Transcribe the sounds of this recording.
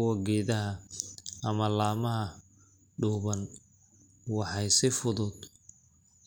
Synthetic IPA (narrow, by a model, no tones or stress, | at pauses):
ɐɡɛːðɐɦɐʔɐmɐlaːmɐɦɐ | ɖuːβɐn | wɑħɑjsɪfʊðʊd̪